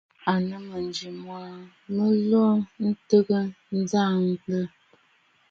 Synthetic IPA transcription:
a˨nə˨mə˨nd͡ʒi˨mwa˨ | mə˦lɔ˦n̩˦tə˦ɡə˦ | n̩˦za˦˨ŋ˦ɡlə˦

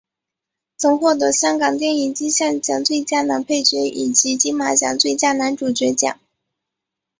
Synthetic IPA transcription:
t͡sʰʊ˨˩ŋxwɔ˥˩t̪̬ɤ˧˥ɕjɑ˥ŋkɑ˨˩ŋt̪̬jɛ˥˧ni˨˩ŋt͡ɕi˥ɕjɑ˥˩ŋt͡ɕjɑ˨˩ŋt͡swe˥˧ɪt͡ɕja˥na˧˥npʰe˥˩ɪɕɥɛ˧˥ʔi˨˩t͡ɕi˧˥t͡ɕi˥ma˧˥t͡ɕjɑ̰˨˩ŋt͡swe˥˧ɪt͡ɕja˥na˧˥nʈ͡ʂu˨˩t͡ɕɥɛ˧˥t͡ɕjɑ̰˨˩˦ŋ

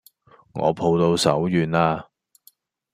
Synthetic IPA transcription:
ŋɔ̰ː˨˧pʰo˧wt̪o˧wsɐ̰˨˥wjyː˨˧naː˧

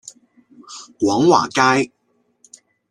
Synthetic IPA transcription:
kwɔː˨˥ŋwa̰ː˨˩kaː˥j

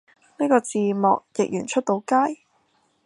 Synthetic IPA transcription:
niː˥kɔː˧t͡siː˨mɔ̰ː˨k̚jɪ˨k̚jyː˨˩nt͡ʃʰɵ˥t̪̚o˨˧˥wkaː˥j

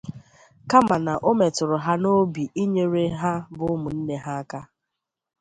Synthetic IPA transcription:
ka˦ma˨na˨ʔo˦me˨tʊ˨ɾʊ˨ɦa˦no˦bi˨ʔi˦ɲe˦ɾe˦ɦa˦bʊ˦ʊ˦mʊ˨n̩˦ne˦ɦa˦a˦ka˦

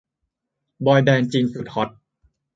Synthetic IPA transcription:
bɔː˧jbɛː˧nt͡ɕiː˧nsu˨˩t̪̚hɔ˦˥t̪̚

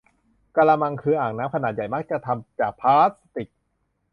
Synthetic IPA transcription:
ka˧laː˧ma˧ŋkʰɯː˧ʔaː˨˩ŋ̚naː˦˥mkʰnaː˨˩t̪̚ja˨˩jma˦˥k̚t͡ɕa˨˩t̪ʰa˧mt͡ɕaː˨˩k̚pʰaː˦˥st̪i˨˩k̚

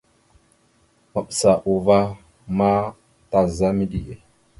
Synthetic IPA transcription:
ma˨ɓsa˨ʔu˨va˦ | ma˦ | ta˨za˦mi˦ɗi˦je˨

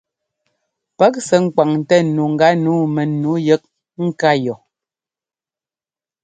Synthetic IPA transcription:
pɛ˦k̚sɛ˨˦ŋ̩˦˨ka˨ŋ˨tɛ˦nu˨ŋ̩˨ɡa˨˦nuː˨˦mɛ˨nu˨˦jə˦k̚ | ŋ̩˦ka˦jɔ˨

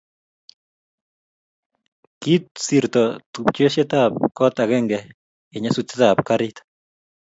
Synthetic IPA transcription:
ki˦t̪̚si˨ɾt̪ɔ˨t̪u˨pt͡ʃe˦ʃe˦t̪ap̚kɔ˦t̪a˨ɡɛ˦ŋɡɛ˨ | ɪ˨ɲa˦su˦t̪et̪a˨pkaɾit̪

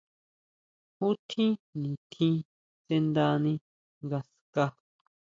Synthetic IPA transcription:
hũ˦t̪ʰĩ˦nĩ˨t̪ʰĩ˦ | se˦nd̪a˧nĩ˧ | ŋɡa˧ska˦

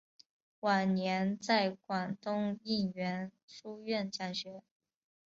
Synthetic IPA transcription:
wa˨˩nnjɛ˧˥nt͡sa˥˩ɪkwa˨˩nt̪ʊ˥ŋi˥˩nɥɛ˧˥nʂu˥ɥɛ˥˧nt͡ɕa˥˩nɕɥɛ˧˥

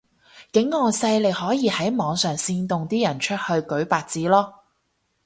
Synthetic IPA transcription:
kɪ˨˥ŋːɔː˨˧sɐ˧jle˨jhɔː˨˥jiː˨˧hɐ˨˥jmɔː˨˧ŋsœː˨˩ŋsiː˧nt̪ʊ˨ŋt̪iː˥jɐ˨˩nt͡ʃʰɵ˥t̚hɵ˧ɥkɵ˨˥ɥpaː˧t̚t͡siː˨˥lɔː˥

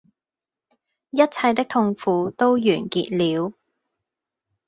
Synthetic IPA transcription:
jɐ˥t̚t͡sʰɐ˧jt̪ɪ˥k̚t̪ʰʊ˧ŋfuː˨˧t̪o˥wjyː˨˩nkḭː˧t̚liː˨˧w

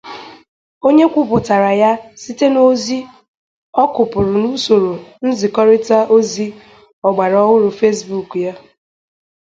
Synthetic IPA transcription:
o˦ɲe˦kʷʊ˦pʊ˨ta˨ɾa˨ja˦si˦te˦no˦zi˦ | ɔ˦kʊ˨pʊ˨ɾʊ˨nu˦so˨ɾo˨n̩˦zɪ˨kɔ˦ɾɪ˦ta˦ʔo˦zi˦ | ɔ˨ɡ͡ba˨ɾɔ˦wʊ˦ɾʊ˨fe˦sbu˦˨kja˦

